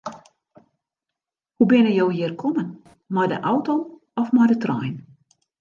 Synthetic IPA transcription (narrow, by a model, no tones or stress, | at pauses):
hubɪnəjowjɪːrkʰɔmən | mɔjdə̰ʔɔwtom | ɔfmɔjdətrɔ̰jn